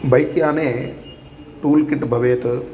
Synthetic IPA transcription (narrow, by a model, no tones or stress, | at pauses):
bɐjkːjaːneː | ʈuːlkiʈːɨbʱɐʋeːt̪ɨ